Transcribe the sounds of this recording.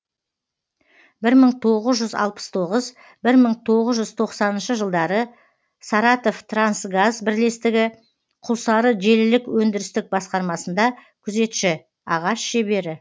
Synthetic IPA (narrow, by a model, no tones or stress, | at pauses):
bɪɾməɴt̪ʰo̞ʁəzʒʏzɑ̰lˠpə̥st̪ʰo̞ʁəz | bɪɾməɴt̪ʰo̞ʁəzʒʏzt̪ʰo̞qsɑnənʃəʒəlˠd̪ɑɾə | sɑɾɑt̪o̞ft̪ransɡazbɪɾle̞st̪ɪɡʲɪ | qʰʊlˠsɑɾəʒe̞lɪlɪkwɵnd̪ɪɾɪst̪ɪk̚bɑsqɑɾmɑsənd̪ɑkʲʰʏze̞t̪ʃɪ | ɑʁɑʃʃe̞be̞ɾɪ